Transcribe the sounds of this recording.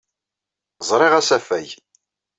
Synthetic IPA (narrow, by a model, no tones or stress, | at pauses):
zˤɾˤɪʁæsæfæj